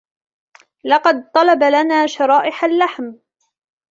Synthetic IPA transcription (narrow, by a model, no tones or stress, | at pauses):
lɑqɑd̪̚t̪ˤɑlɑbalanaːʃɑɾˤɑːʔɪħalːaħm